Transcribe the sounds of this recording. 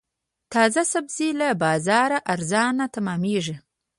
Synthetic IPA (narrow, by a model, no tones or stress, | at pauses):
t̪ɑzasabzilabɑzɑɾaʔaɾzɑnat̪amɑmeʐi